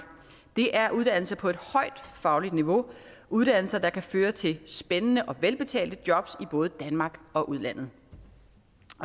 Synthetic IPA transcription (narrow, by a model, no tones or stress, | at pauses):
d̥e̝ʔæɐʔuð̞ˠd̥æn̰l̩sɐpʰɒ̽e̝d̥hɒ̽ɪ̰d̥fɑ̈ʊlid̥niʋo̝ | ʔuð̞ˠd̥æn̰l̩sɐd̥ɑ̈kʰæføːɐt͡sʰe̝lsb̥enənəʔɒ̽ʋelb̥e̝t͡sʰɛ̰ːld̥əd̥jɒ̽b̥sib̥ɔ̽ːð̞̩ˠd̥ænmɑ̈ːɡ̥ɒ̽ʔuð̞ˠlæn̰ð̞̩ˠ